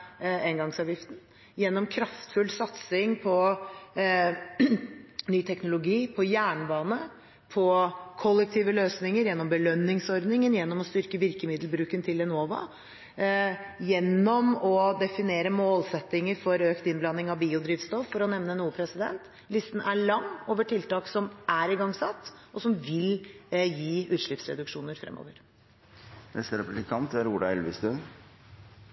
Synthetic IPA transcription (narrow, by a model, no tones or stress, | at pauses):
ɛnɡɑŋsɑːʋjɪft̪n̩ | jɛnːɔmkʰɾɑft̪fʉlsɑt̪sɪŋpʰɔ | nyːt̪ʰɛknʊlʊɡiːpʰɔjæːɳbɑːnə | pʰɔkʰɔlːɛk̚t̪ʰiːʋəløːsnɪŋəɾjɛnːɔmbəlœnːɪŋsɔɾd̪nɪŋənjɛnːɔmɔst̪ʏɾkəʋɪɾkəmɪd̪lbɾʉːkənt̪ʰɪlɛnoːʋɑ̰ | jɛnːɔmɔd̪ɛfɪneːɾəmoːlsɛt̪ːɪŋəɾfɔɾøːkt̪ɪnblɑnːɪŋɑʋbiːʊd̪ɾiːʋst̪ɔfːɔɾɔnɛʋnənuːəpʰɾɛsɪd̪ɛ̰nt̪ | lɪst̪n̩æɭɑŋːoːʋəʈʰɪlt̪ɑːksɔmʔæɾɪɡɑŋsɑt̪ːʔɔsɔmʋɪljiːʉːt̪ʂɭɪpsɾɛ̰d̪ʉkʂuːnəɾfɾɛ̰mːo̰ːʋəɾ | nɛst̪əɾɛpblɪkʰɑnt̪æɾuːɖ̪ɑɛlʋɪst̪ʉn